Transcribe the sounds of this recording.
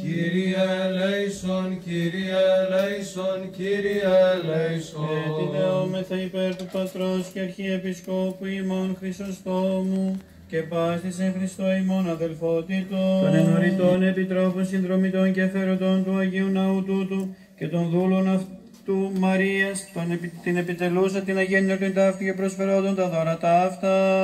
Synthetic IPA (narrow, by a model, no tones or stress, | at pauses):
ciɾiɐlejsonciɾiɐlɐjsonciɾiɐlejseit̪eomeθɐipe̞ɾt̪upɐt̪ɾo̞sceɐɾçie̞pisko̞puimo̞nxɾist̪o̞st̪o̞mu | ce̞pɐsθisexɾist̪o̞imo̞nɐðe̞lfot̪it̪oɐnenoɾit̪o̞ne̞pit̪ɾo̞ponsinðɾo̞mit̪o̞nceθeɾo̞t̪o̞nt̪uɐʝeunɐut̪ut̪u | ce̞t̪o̞nðulo̞nɐf | t̪umɐɾiɐst̪ont̪ine̞pit̪e̞lusɐt̪inɐʝenːɐt̪oint̪ɐft̪ucepɾo̞sfe̞ɾo̞nd̪ont̪ɐðoɾɐt̪ɐɐft̪ɐ